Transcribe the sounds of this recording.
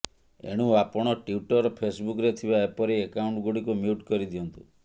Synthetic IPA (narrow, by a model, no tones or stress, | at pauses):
ḛɽ̃uapɔɽ̃ɔʈiuʈɔɾpʰesbukɾet̪ʰibaepɔɾeːkauɳʈɡuɽikumiuʈkɔɾid̪iɔnt̪u